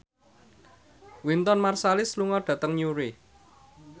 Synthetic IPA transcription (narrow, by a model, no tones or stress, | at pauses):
wint̪ɔnmarsalɪsluŋɔɖ̥ä̤t̪əŋɲuɾi